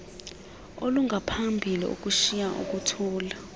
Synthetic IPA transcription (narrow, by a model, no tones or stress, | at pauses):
oluŋɡʱapʰambʱilḭṵk̬ʼuʃijaʔṵk̬utʰuːla